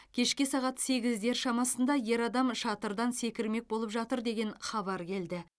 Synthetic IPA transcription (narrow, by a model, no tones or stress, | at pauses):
kʲʰe̞ʃkʲɪsɑʁɑt̪se̞ɡʲɪzd̪e̞ɾʃɑmɑsənd̪ɑje̞ɾɑd̪ɑmʃɑt̪əɾd̪ɑnse̞kʲɪɾme̞k̚bo̞lˠəpʒɑt̪əɾd̪e̞ɡʲe̞nχɑβɑɾkʲʰe̞ld̪ɪ